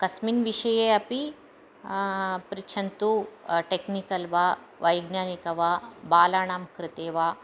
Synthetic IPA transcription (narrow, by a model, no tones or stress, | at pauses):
kɐsminʋiʃɐjeːɐpi | pɾit͡ʃʰɐnt̪uʈeknikɐlʋa | ʋɐjɡnjaːnikɐʋaːbaːlaːɳaːmkɾɨt̪eːʋaː